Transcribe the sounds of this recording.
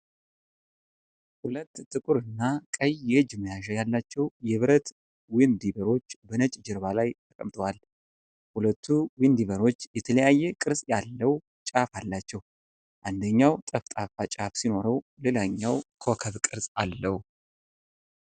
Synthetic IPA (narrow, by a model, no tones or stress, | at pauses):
hulət̪ːt̪ːɨkʼuɾɨnːakʼəjɛɨd͡ʒməjaʃajalːat͡ʃːɛwjɛβɨɾət̪ | wɪnd̪iβəɾo̞t͡ʃːbənət͡ʃʼd͡ʒɪɾβalajt̪ʰəkʼəmt̪ʼəwal | hulət̪ʰːuwind̪iβəɾo̞t͡ʃːjɛt̪ʰələjajːɛkʼɨɾsʼjalːəw | t͡ʃʼafalːat͡ʃːɛw | ʔand̪əɲːawt̪ʼəft̪ʼafat͡ʃʼafsino̞ɾəwlelaɲːawkʰokʰəβkʼɨɾsʼalːəhu